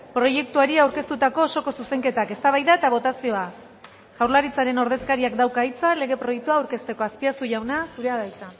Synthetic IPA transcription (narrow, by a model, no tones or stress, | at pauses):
pɾo̞je̞k̚t̪uaɾiawɾke̞st̪ut̪ako̞ːso̞ko̞suse̞ŋke̞t̪ake̞st̪aβajðae̞t̪aβ̞o̞t̪asio̞a | ʝ̥awɾlaɾit͡saɾe̞no̞ɾðe̞skaɾiakd̪awkait͡sale̞ɣe̞pɾo̞jek̚t̪uaːwɾke̞st̪e̞ko̞aspiasuʝawnasuɾe̞aðajt͡sa